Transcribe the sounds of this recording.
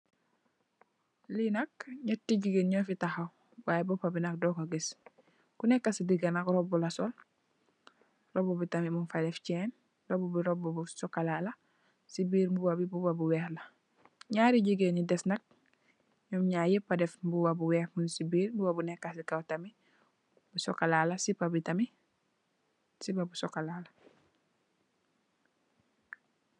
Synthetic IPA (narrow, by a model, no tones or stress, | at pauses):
linak̚ɲatːiɟiɡenɲɔːfitaxaw | babɔpabinak̚dɔkaɡes | kunekːasidiɡanakɾɔbulasol | ɾobobitamimunfadeft͡ʃɛn | dobubiɾobobusokalala | sibiːɾmbubabibubabuwɛːxla | ɲaːɾiɟiɡeɲidɛsnak̚ | ɲɔmɲaːjipːadefbuwabuwɛːhmunsibiːɾmbuwabunɛkːasikawtami | busɔkalaːlasipabitami | sipabusokalaːla